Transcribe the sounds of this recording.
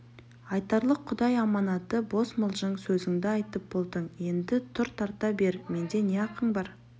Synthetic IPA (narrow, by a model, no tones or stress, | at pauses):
ɑjt̪ɑɾlˠəqʰːʊd̪ɑjɑmɑnɑt̪əbo̞sməlˠʒəɴsɵzɪŋd̪ɪɑjt̪əp̚bo̞lˠd̪əɴje̞nd̪ɪt̪ʰʊɾt̪ʰɑɾt̪ɑbe̞ɾme̞nd̪e̞ne̞ɑqəɴbɑɾ